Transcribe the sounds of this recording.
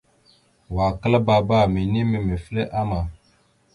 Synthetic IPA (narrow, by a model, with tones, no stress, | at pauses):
wa˨kə˦la˦ba˦˨ba˦˨mi˨ni˦mi˨mi˨fi˦le˦ʔa˦ma˨